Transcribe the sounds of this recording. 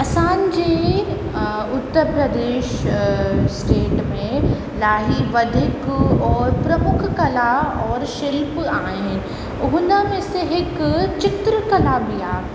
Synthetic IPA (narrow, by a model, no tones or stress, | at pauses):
ɐsãːn̆d͡ʑeː | ʊt̪ːəɾpɾɐd̪eːʃ | sʈeːʈmẽ | laːɦiʋɐd̪ʱɪkɔːɾpɾɐmʊkʰkɐlaɔːɾʃɪlpaːɦɪnɪ̆ | ʊɦʊ̃nd̪amẽseɦɪkt͡ɕɪt̪ɾəkɐlabijaː